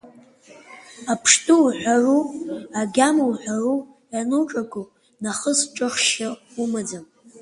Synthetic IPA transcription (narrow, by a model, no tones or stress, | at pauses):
apʰʂtʰʼuħʷᶣaruaɡʲamuwħʷᶣaru | januʈ͡ʂʼakʷʰʼu | naχəsʈ͡ʂʼɨχʃa | umad͡zam